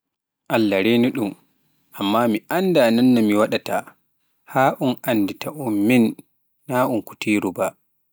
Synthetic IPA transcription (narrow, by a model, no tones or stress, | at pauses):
ʔalːaɾeːniɗum | ʔamːaːmiʔandananːamiwaɗata | haːʔunʔanditʰaʔumːinː | aʔunku̥tiːɾuba